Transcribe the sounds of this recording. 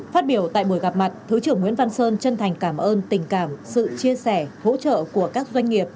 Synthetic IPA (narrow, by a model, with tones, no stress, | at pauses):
faː˦˥t̚ɓi˧˩əwt̪a̰ː˧˨jɓu˧˩əjɣa˨˩p̚ma˨˩t̚t̪ʰɨ˨˦t͡ɕɨ˧˩əŋwḭ˧˥ənva˧nsəː˧nt͡ɕə˧nt̪ʰa˨˩jŋ̟kaː˧˩mʔəː˧nt̪ï˨˩ŋ̟kaː˧˩msɨ̰˧˨t͡ɕi˧əsɛ˧˩ho̰˧˥t͡ɕə̰ː˧˨ku˧˩əkaː˦˥k̚zwa˧jŋ̟ŋi˨˩əp̚